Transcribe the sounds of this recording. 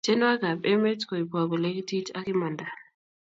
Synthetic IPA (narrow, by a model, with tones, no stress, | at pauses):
t͡ʃɛ˦n˦a˦ɡa˨bɛ˦me˦tkɔ˨i˨pwa˨bɔ˨le˦ki˦ti˦tʰa˦ki˦ma˨nda˨